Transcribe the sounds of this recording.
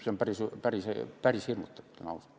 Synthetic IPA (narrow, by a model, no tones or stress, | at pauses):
sempærisypærisḛpærishirmut̪ːet̪ːænɑ̰us